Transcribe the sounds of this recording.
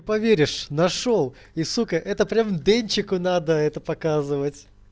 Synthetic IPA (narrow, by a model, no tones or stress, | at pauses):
pɐvʲeɾʲɪʂnɐʂolˠ | isukəʔɛt̪əpɾʲamd̪enʲt͡ɕɪkʊnad̪əɛt̪əpɐkazɨvətʲ